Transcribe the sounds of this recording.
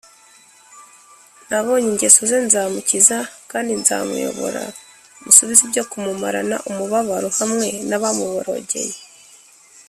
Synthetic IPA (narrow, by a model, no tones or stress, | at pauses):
naβo̞ːɲiɲɟesozenzaːmucizakaːndinza̰ːmṵjo̞̰βo̞̰ɾa̰ | musuβizibɟo̞kumumaɾa̰na̰ʔumuβaβaɾohamŋe̞naβamuβoɾo̞̰ːɟe̞̰je